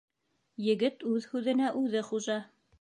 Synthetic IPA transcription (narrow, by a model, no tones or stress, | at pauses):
jɘ̆ɡɘt̪ʉðhʉðɘ̆næʔʉðɘχuʒɑ